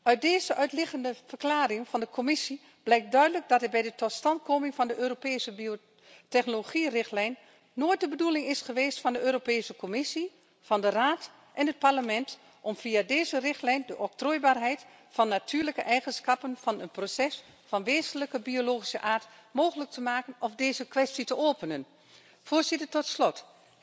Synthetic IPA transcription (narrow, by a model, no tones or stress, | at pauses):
ʔœɥt̚deːzəʔœɥtlɪɣəndəvərklaːrɪŋfɑndəkʰomɪsi | b̥lɛjk̚dœɥdələɡ̚dɑtɦɛbɛjdətɔtstɑntkoːmɪŋfɑndəʔøːɾopeːsəbio | tɛxnoloχirɪxtlɛjnː | oːjt̚dəbədulɪŋɪsχəʋeːstfɑndəøːɾopeːsəkomɪsi | fɑndəraːt | ʔɛnɦət̚paɹləmɛnt | ʔɔmfiadeːzərɪxtlɛjndəʔɔp̚troːjbaːrɦɛjt | fɑnːatʰyːɹləkəʔɛjχənskɑpənfɑnənprosɛs | fɑnʋeːzənləkəbioloːχi̥səʔaːɹtmoːχələk̚tʰəmaːkənɔfdeːzəkʋɛstitəʔoːpənən | foːɹzɪtəɹtɔtslɔt